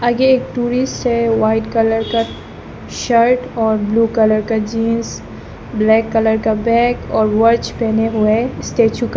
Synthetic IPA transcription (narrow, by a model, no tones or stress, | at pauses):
ɐɡeeːk̚ʈuːɾɪsʈseʋaːɪʈkɐləɾka | ʃəɾʈɔːɾbluːkɐləɾkad͡ʒiːnz | blɛːkːɐləɾkabɛ̃ːkɔːɾʋɐɾt͡ʃpɛ̃ːneɦʊeɪsʈeːt͡ʃʊk